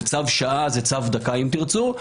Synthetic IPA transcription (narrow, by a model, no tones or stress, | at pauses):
t͡savʃaʔazet͡savd̪akaimt̪iʁt͡su